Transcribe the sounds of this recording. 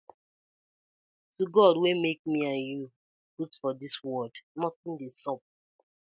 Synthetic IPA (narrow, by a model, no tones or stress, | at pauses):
tuɡɔdwemek̚miãnju | ɡudfɔdiswɔdnɔtĩndesɔp̚